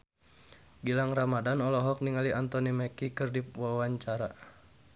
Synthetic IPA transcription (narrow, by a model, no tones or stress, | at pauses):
ɡilaŋramadanɔlɔɦɔk̚niŋaliʔant̪ɔnimɛkikɨrdiwawaɲt͡ʃaɾa